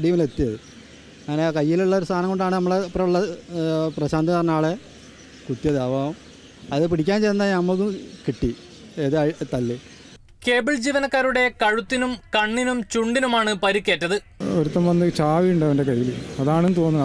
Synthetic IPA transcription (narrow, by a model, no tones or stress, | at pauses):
ɽijɐmile̞t̪ːijɐðɨ | aːnekɐjːiluɭːɐo̞ɾust̪ʰaːnɐmŋɡo̞ɳɖaːɳɨnɐmːɐɭepːrɐuɭːɐprɐɕaːnd̪ʱɐɐrnːaːɭe | kut̪ːjɐd̪aːʋaːʋum | ɐððɨpiɽikʲːaːnt͡ɕejnðnɐmːɐɭkːukiʈːi | eðɨɐɻt̪ɐlːi | ke̞ːbiɭd͡ʑiːʋɐnɐkːaːɾuɽe̞kɐɻut̪ːinumkɐɳːinumt͡ɕuɳɖinumaːɳɨpɐɾikʲːe̞ːtːɐðɨ | oɾut̪ːɐmʋɐnːɨt͡ɕaːʋiuɳɖɐʋɐndekɐjjːilɐðaːɳenːt̪oːnːɐ